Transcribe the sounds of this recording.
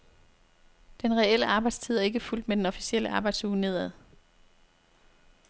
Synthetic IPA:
d̥enʁɛel̰əɑ̈ːb̥ɑ̈ɪd̥st͡sʰið̰ˠɐe̝ɡ̥əful̰d̥med̥enɒ̽fi̥siel̰əɑ̈ːb̥ɑ̈ɪd̥suːne̝ð̞̰ˠæðˠ

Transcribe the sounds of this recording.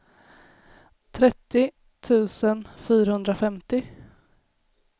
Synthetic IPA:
t̪ʰɾɛt̪ːɪ | t̪ʰʉ̟ːsənfyːɾahɵnd̪ɾafɛmt̪ɪ

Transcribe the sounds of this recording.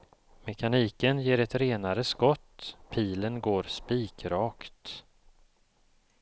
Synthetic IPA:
mɛkʰaniːkənjeːɾɛt̪ɾeːnaɾəskɔt̪ːpʰiːlənɡoːɾspiːkɾɑːkt̪

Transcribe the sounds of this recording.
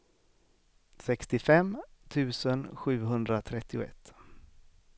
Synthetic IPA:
sɛkst̪ɪfɛmt̪ʰʉ̟ːsənɧʉ̟ːɦɵnd̪ɾat̪ʰɾɛt̪ʰːɪʊɛ̰t̪ː

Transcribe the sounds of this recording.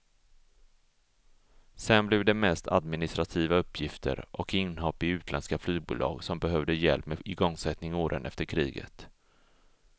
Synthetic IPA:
sɛnblɛːvd̪ɛmɛst̪ʰa̰d̪mɪnɪst̪ɾat̪ʰiːvaɵpːjɪft̪ʰə̰ɾʔɔkɪnːhɔpːɪʉ̟ːt̪ʰlɛnskaflyːɡ̚bṵːlɑ̰ːɡsɔmbɛɦœvd̪əjɛ̰lpmeɪɡɔŋsɛt̪nɪŋoːɾʔə̰nʔɛ̰ft̪əɾkʰɾiːɡə̰t̪

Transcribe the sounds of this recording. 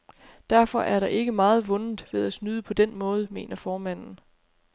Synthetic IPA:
d̥æɐfɒ̽ʔæɐɾ̥ɑ̈ʔe̝ɡ̥əmɑ̈ːð̞̩ˠʋɔ̽nn̩ˠʋe̝ð̞̰ˠæsnyð̞ˠəpʰɒ̽d̥enmɔ̽ːð̞̩ˠəme̝̰ːnɐfɒːmæn̰n̩

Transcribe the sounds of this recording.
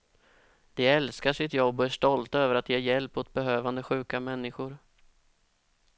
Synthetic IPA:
d̪̥ɛɛlskaʂɪt̪jɔbːɔæʂʈɔlt̪øːvəɾat̪jeːjɛlpːɔt̪̚bɛɦøːvand̪əɧʉ̟ːkamɛnːɪɧʊɾ

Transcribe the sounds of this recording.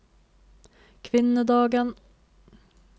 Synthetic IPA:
kʰvɪnːəd̪ɑːɡən

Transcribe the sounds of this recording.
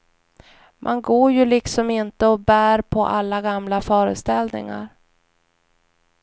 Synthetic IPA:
mʔanɡoːɾjɵlɪksɔmɪnt̪əɔbæːɾpʰɔʔalːaɡamlafœːɾə̰st̪ɛlnɪ̰ŋa̰ɾ

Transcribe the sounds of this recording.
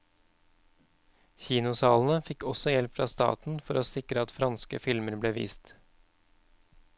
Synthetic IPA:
çiːnʊsɑːln̩əfɪkɔsɔjɛlpfɾɑ̰ːst̪ɑ̰ːt̪n̩fɔɾoːsɪkɾəɑt̪fɾɑnskəfɪlməɾbleːʋḭːst̪

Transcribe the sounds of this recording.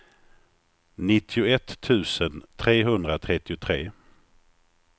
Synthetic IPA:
nɪt̪ʰːɪʊɛt̪ʰːʉ̟ːsənt̪ʰɾeːɦɵnd̪ɾat̪ʰɾɛt̪ːɪʊt̪ʰɾeː

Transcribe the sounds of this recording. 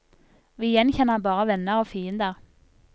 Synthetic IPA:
ʋiːɪjɛnçɛnːəbɑːʁəʋɛnːəɑʋfiːənd̪əʁ

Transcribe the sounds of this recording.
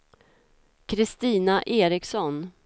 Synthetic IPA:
kʰɾɪst̪iːnaʔeːɾɪksɔn

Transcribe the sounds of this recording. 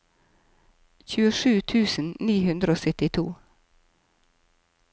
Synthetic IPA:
çʉːəʃʉːt̪ʰʉːsn̩niːhʉnd̪ɾəoːsœt̪ɪt̪ʰṵː

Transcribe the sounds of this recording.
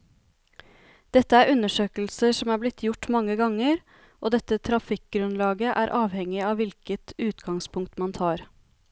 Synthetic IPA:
d̪̥ɛt̪ːəæːɾʉnəʂøːkl̩səʂɔmæːɾblɪt̪ʰːjʊʈːmɑŋːəɡɑŋəɾ | ʔoːd̪ɛt̪ːət̪ʰɾɑfɪk̚ɡɾʉnlɑːɡəʔæːɾʔɑːʋhɛŋːɪɑːʋɪlkət̪ʉːt̪ɡɑŋspʰʊŋkt̪mɑnt̪ʰɑːɾ

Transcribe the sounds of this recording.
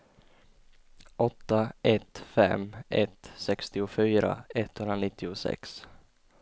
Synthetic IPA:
ʔɔt̪ːaʔɛt̪fɛ̰mʔɛt̪sɛkst̪ɪʊfyːɾa̰ɛt̪ʰːhɵnɾanɪt̪ːɪʊsɛ̰ks

